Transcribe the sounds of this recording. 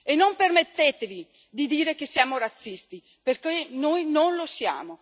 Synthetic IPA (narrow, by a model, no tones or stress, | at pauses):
enːompermet̪ːeːt̪evi | d̪id̪iːɾekesːjaːmoɾat̪sːist̪i | perkenoːjnonlosja̰ːmo